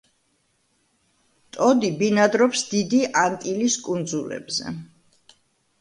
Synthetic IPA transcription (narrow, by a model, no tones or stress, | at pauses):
t̪ʼɔd̪ibinad̪ɾɔpsd̪id̪iʔant̪ʼiliskʼund̪zulɛ̰bzɛ̰